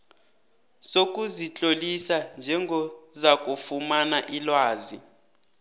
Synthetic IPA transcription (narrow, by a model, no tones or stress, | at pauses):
sok̬ʼuzit͡ɬʼolisand͡ʒʱɛŋɡʱɔzak̬ʼufumanaʔilwaːzi